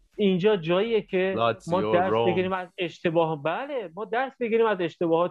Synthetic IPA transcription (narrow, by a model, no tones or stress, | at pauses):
ind͡ʒɒːd͡ʒɒːjijecʰe̞mɒːd̪æɾseɡiɾiːmæze̞ʃt̪ʰe̞bɒːɦbæːle̞mɒːd̪æɾsbe̞ɡʲiɾiːmæze̞ʃt̪e̞bɒːhɒːt̪